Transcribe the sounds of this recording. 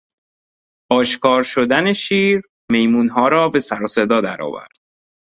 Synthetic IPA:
ʔɒːʃkɒːɾʃod̪æneʃiːɾ | me̞jmuːnɦɒːɾɒːbe̞sæɾɒːsed̪ɒːd̪æ̰ɾɒ̰ːvæ̰ɾd̪̥̚

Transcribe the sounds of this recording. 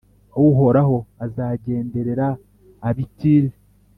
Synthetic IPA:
ouɦo̞ɾaɦo̞azaɟe̞ːnde̞ɾe̞ɾaː | βitiɾe

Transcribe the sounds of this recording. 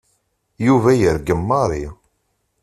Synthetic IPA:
juvæjəɾɡəmːɑɾˤi

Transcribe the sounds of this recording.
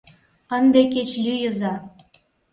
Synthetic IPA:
ə̆nd̪eket͡ɕlʲyjə̆zɑ

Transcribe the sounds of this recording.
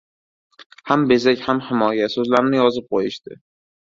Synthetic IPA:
hambezakʲhamhɪmɒjasɵzlaɾɪnɪjɒzɪp̚qʰojɪʃd̪ɪ

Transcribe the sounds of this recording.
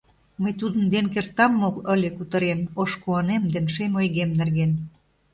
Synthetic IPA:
məjt̪ud̪ənd̪enkert̪ɑmːokə̆lʲĕkut̪ə̆ɾenoʃkuɑnemd̪enʃemojɣemnerɣen

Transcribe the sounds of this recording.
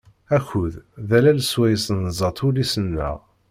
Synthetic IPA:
æçuððælælswæjəsənzˤɑt̪ˤʰulisənːæ̰

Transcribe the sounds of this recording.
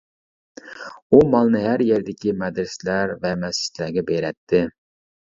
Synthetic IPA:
umɑlˠnɨɦæɾjɛɾd̪ɪkʲimɛd̪ɾɪsɪlæɾvɛmɛsɪ̥t͡ʃ̪læɾɡʲɛbeɾɛt̪ʰːɪ

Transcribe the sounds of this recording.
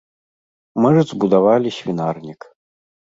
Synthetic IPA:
mɨʐɨd̪zbud̪avalʲisʲvʲinarnʲik

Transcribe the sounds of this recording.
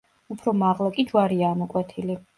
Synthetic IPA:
upʰɾɔmaʁlˠakʼid͡ʒwaɾiaːmɔkʼwɛt̪ʰili

